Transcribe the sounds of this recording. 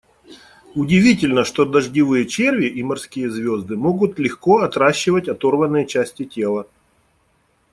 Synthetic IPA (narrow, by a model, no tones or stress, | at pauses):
ʊdʲɪvʲitʲɪlʲnəʂt̪o̞d̪əʐdʲɪvɨjət͡ɕervʲɪʔimɐrskʲijəzvʲo̞zd̪ɨmo̞ɡʊt̪lʲɪxko̞ɐt̪ɾaɕːɪvətʲɐt̪o̞rvənːɨjət͡ɕæsʲtʲɪtʲe̞lˠə